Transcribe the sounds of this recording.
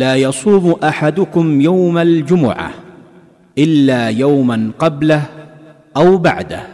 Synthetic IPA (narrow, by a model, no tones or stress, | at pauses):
laːjɑsˤuːmʔaħad̪ʊkʊmjawmald͡ʒʊmʊ̰ʕa̰ | ʔɪlːaːjawmanqɑblah | ʔawba̰ʕd̪a̰h